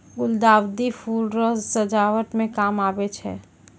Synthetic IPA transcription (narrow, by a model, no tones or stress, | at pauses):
ɡʊld̪aːwd̪ifʰuːlɾɔzsəd͡ʒaːwəʈmẽkaːmaːbet͡ʃʰɛ̰ː